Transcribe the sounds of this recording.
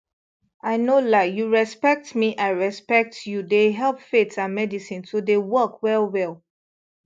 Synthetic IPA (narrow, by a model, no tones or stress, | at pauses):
ʔaɪnolajuɹɛspɛk̚tmiʔaɪɹɛspɛk̚tjudeɦɛlˠpfetãnmɛdisĩnsodewɔkwɛlˠwɛlˠ